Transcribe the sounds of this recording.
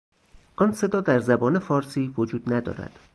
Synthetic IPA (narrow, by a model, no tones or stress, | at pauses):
ʔɒnse̞d̪ɒːd̪æɾzæbɒːnefɒːɾsiːvod͡ʒuːd̪næd̪ɒ̰ːɾæ̰d̪̥